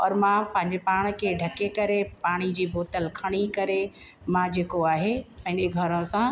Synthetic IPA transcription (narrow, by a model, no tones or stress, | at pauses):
ɔ̰ːɾmãpɐ̃ɦɪ̃ɲd͡ʑepaːɽ̃kʰeɖʱɐkekɐɾepaːɽ̃id͡ʑiːbʱoːt̪əlkʰɐɽ̃ikɐɾe | mãd͡ʑeːkoaːɦepɐ̃ɦɪ̃neɡʱɐɾõsã